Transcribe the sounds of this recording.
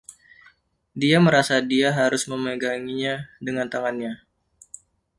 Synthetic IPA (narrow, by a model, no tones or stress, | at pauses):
diaməɾasadiaɦaɾʊsməməɡaŋiɲadəŋant̪aŋanɲa